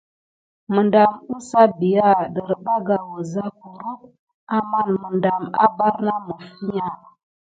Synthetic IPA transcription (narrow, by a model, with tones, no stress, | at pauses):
mə˨nda˨mu˦sa˦bi˨ja˦˨ɗə˨ɾba˦ɡa˨wə˨za˦ku˨ɾu˦p̚ | a˨ma˦nmə˨nda˨ma̰˦ba˦ɾna˦mə˨fi˦ɲa˦˨